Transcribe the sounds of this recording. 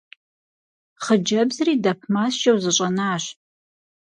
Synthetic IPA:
χəd͡ʒɐbzɨriːdɐp̚ʰmaːst͡ʃʼɐwzɨɕʷʼɐnaːɕ

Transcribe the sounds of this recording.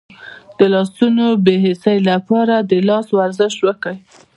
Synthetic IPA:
d̪̥əlɑsunobeɦɪsəjlapɑɾad̪əlɑswaɾzəʃwəkəwi

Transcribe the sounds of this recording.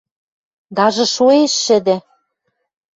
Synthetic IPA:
d̪ɑʒɤ̆ʃoeʃːɘ̆d̪ɘ̆

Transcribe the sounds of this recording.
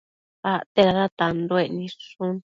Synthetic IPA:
at̪eɾaɾat̪and̪oeʔnĩʂũn

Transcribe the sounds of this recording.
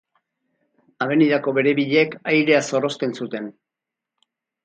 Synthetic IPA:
aβe̞niðako̞βe̞ɾe̞βiʎeːkajɾe̞aso̞ro̞st̪e̞nsut̪e̞n

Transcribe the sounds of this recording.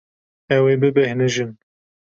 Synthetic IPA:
ɛweːbɨbɛhnɨʒɨm

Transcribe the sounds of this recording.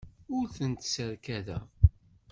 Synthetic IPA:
ʊɾθənt̪səɾkæðæ̰

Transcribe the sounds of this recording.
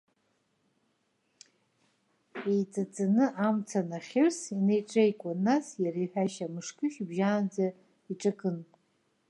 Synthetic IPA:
ejt͡sʼat͡sʼanɨʔamt͡sʰanaχʲɪrsine̞jʈ͡ʂʼejkʷʼanːasjaɾejħʷᶣaʃamɨʂkʰʼɨʃbʒaːnd͡za | iʈ͡ʂʼakʼɨn

